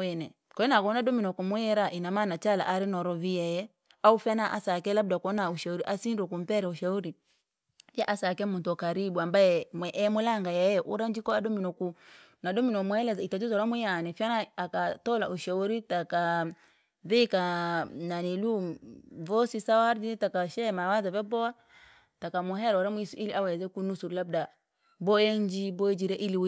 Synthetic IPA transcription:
ɛnɛ | kɔɛnakɔnadɔminɔkumuɛɾaʔinamanat͡ʃala̰ʔaɾɛnɔɾɔvijɛjɛ | aufianaʔa̰sakɛlab̚dakɔnauʃauɾiʔasinɾɔkum̩pɛɾɛuʃauɾi | jɛʔasakɛmuntɔkaɾibuambaɛmwɛʔɛmulaŋɡajɛjɛʔuɾand͡ʒikɔadɔminɔku | nadɔminɔmuhɛlɛzitad͡ʒizɔɾamujanɛfianaakatɔlaʔuʃauɾitaka | vikananiluvɔsisawaɾditakaʃɛmawazavɛbɔa | takamuɦɛɾɔɾamuisuʔiliawɛzɛkunusuɾlab̚da | bɔjɛnd͡ʒibɔɛd͡ʒiɾɛʔiliw

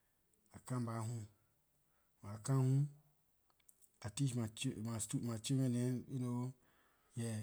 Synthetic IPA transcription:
akãmbaɦũ | waakãhũ | atiʃmat͡ʃmastumat͡ʃemɛ̃nɛ̃ino | jɛ

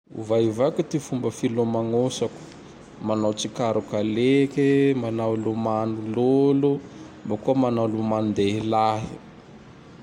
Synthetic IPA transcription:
ṵvaivakut̪ifumbəfilomaŋosaku̥ | manawt͡sikaɾukalekemanawlomanulolu | mbakuəmanawlumand̪eilaɦi

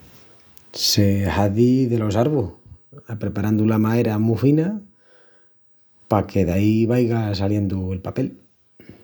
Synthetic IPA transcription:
se̞haðiðe̞lo̞saɾβoapɾepaɾand̪ulamaeɾamufina | pake̞ðaiβajɣasalje̞nd̪ue̞lpape̞l

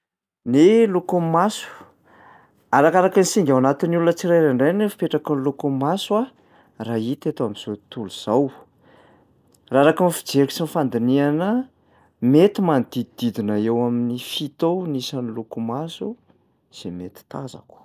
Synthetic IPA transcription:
nelukumasu̥ | aɾakaɾakinsiŋɡawanat̪inulunət͡siɾajɾaɳɖ͡ʐejnefḁpeʈ͡ʂakunlukumasua | rait̪et̪oamiz̥ot̪uluz̥aw | raɾakunifi̥d͡zeɾku̥sinfand̪inianə | met̪imanid̪̥id̪id̪id̪inəewaminifit̪onisanilukumasu | z̥emet̪i̥t̪aza̰ku̥

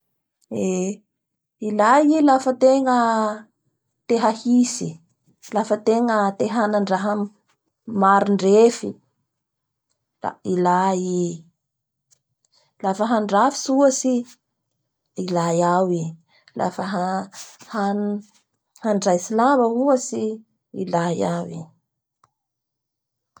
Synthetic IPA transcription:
e | ilajilafət̪eŋə | t̪eɦahisi | lafət̪eŋət̪eɦanaɳɖ͡ʐaɦam | maɾiɳɖ͡ʐefi | la̰ilai | lafəɦaɳɖ͡ʐafi̥suəsi | ilajawi | la̰fəɦahan | haɳɖ͡ʐajsilabəuəsi | ilajawi

